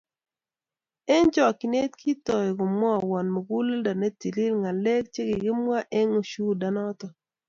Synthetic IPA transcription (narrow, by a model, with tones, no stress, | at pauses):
e˦nt͡ʃɔ˨ki˨ne˦tkʰi˦tɔ˨ɪ˨ko˨mwɔ˦a˨wɔ˨nmo˨ɡu˦le˦da˨ne˦ti˨li˦lŋa˨le˦k̚t͡ʃe˦ɡɪ˨ɡɪ˦mwa˦ʔe˦ŋo˨ʃu˦da˨nɔ˦tɔ˨